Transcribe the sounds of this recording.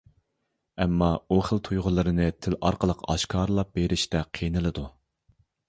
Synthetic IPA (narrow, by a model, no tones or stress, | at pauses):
ɛmːɑuχəlˠt̪ʰujʁʊlˠɨɾɨnɨt̪ʰɪlɑ̰ɾqəlˠəqɑ̰ʃkʰɑɾlˠɑp̚beɾɪʃt̪ɛqʰenɨlˠɨd̪u